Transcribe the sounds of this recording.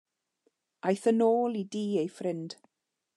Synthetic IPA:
ajθənoːlˠidiːejfrɪnd̥

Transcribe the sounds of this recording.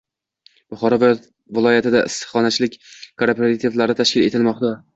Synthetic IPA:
b̥ʊχɒɾɒv | vɪlˠɒjat̪ʰɪd̪aʔɪsχɒnat͡ʃʰɪlɪkʲkʰoɾpʰeɾat̪ʰivlaɾɪt̪ʰaʃkʲɪle̞̰t̪ʰɪlmɒqt̪a

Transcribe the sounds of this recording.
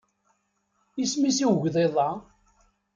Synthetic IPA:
ismisiwʝðˤeðˤɑ

